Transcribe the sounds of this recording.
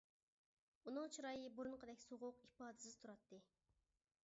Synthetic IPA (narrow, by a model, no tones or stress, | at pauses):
unɨŋt͡ʃʰuɾɑjɨbuɾunqʰəd̪ɛkʲsoʁʊqipɑːd̪ɨ̥sɪzt̪ʰuɾɑt̪ʰːɨ